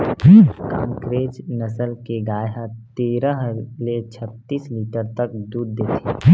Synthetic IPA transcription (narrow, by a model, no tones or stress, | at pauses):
ka̰ːmkɾeːt͡ʃnəsəlkeɡaːjɦãt̪eːɾə̃ɦlet͡ʃʰət̪ːiːsliːʈəɾt̪ək̚d̪uːd̪d̪eːt̪ʰi